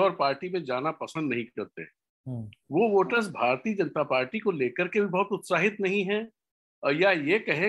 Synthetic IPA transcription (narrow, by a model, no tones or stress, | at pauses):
ɔːɾpaːɾʈimẽd͡ʒaːnapɐsə̃nd̪nɐɦĩɐɾt̪ḛɦɛ̃ | ʋoʋoːʈəɾs̬bʱaːɾt̪iːəd͡ʒɐnt̪apaːɾʈikoleːkəɾkebʱibɔɦʊt̪ʊt̪saːɦɪt̪nɐɦĩɦɛ̃ | jajekɐɦẽ